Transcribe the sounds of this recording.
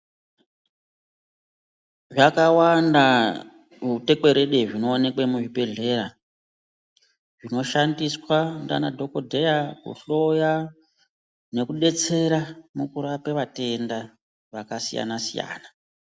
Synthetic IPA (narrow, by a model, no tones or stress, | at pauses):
ʐakawanda | ute̞kwe̞ɾe̞ɗeʐino̞ːne̞kwemuʐibe̞ɮe̞ɾa | ʐ̥ino̞ʃandiswanda̰nadʱo̞ko̞dʱe̞jakṵɬo̞ja | ne̞kuɗe̞t͡se̞ɾamukuɾapeʋate̞nda | ʋakasija̰nasija̰ːna